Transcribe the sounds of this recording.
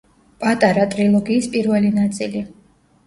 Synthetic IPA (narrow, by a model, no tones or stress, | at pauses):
pʼat̪ʼaɾat̪ʼɾilˠɔɡiːspʼiɾvɛlinat̪sʼili